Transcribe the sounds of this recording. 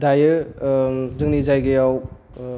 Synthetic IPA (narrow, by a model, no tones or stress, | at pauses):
dajɯ | zɯŋnizajɡejaw